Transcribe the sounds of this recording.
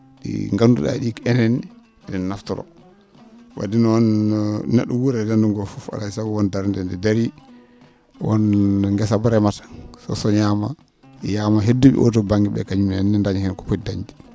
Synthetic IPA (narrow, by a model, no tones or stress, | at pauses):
ɗḭŋɡandṵɗa̰ɗikɛnɛn | dɛnnaftɔɾɔ̰ | wa̰dinɔnnɛ̰ɗːɔwuɾɛdanduŋɡɔfufa̰laisaɡɔwɔndaɾndɛndɛdaɾi | wɔ̰nŋɡɛsabaɾɛmatḁsɔ̰sɔɲama | jamaɦedːuɓḭʔɔ̰tɔbaŋɡiɓɛ̰kaɲumannɛndaɲhɛnkɔ̥pɔdaɲdi